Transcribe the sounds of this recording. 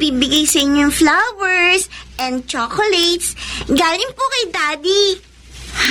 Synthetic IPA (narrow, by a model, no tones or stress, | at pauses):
bibɪɡajsɐʔɪɲɲːoŋflawɛɹsʔɛ̃nd̪̚t͡ʃɔkolɛjt̪sɡaːlɪnpokɐjd̪aːd̪i